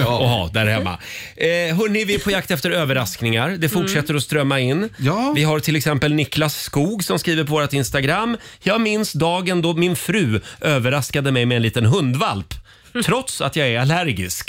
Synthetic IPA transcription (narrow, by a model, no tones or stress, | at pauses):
ɔɦɑ̰ːd̪æɾhɛmːa̰ | ɦœːɳɪvɪpʰɔjak̚t̪ɛft̪əɾøːvəɾasknɪŋaɾd̪ɛfʊʈʂɛt̪ːəɾɔst̪ɾœmːaɪnːvɪɦaɾʈʰɪlɛksɛmpəlnɪklasːkuːɡsɔmskɾiːvəɾpʰɔvoːɾat̪ɪnst̪aɡɾamːjɑːɡmɪnsd̪ɑːɡənd̪ɔmɪnfɾʉ̟ːʔøːvəɾaskad̪əmɛjmɛɛːnliːt̪ənɦɵnd̪valp̪ʰ | ɾɔt̪sa̰t̪jɑːɡæɾalæɾɡɪsk